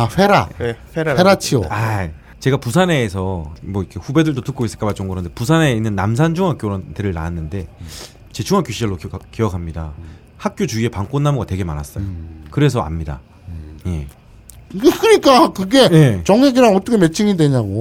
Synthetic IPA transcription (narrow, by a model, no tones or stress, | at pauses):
aɸeɾaɸeɾeɾat͡ɕʰioa | t͡ɕe̞ɡapus̬ʰane̞ːsʰʌmwʌikʰe̞ɸube̞dɯɭdotɯk͈ois͈ɯɭkabat͡ɕ͈ʌŋɡɯɾʌnde̞pusʰane̞inːɯnːams̬ʰand͡ʑʰuŋɦak͈joɾoteɾɯɭna̰nːɯnde̞ | t͡ɕe̞t͡ɕʰuŋɦak͈joɕʰid͡ʑʌɭːok͈ijʌkʰamɲida | hak̚k͈jot͡ɕuie̞paŋk͈onːamuɡate̞ɡe̞manas͈ʌjokɯɾe̞s̬ʰʌa̰mɲida̰ | je̞̰ | kɯɲik͈akɯɡe̞jet͡ɕʌŋeɡiɾaŋʌt͈ʌkʰeme̞t͡ɕʰiŋidwe̞ɲaɡo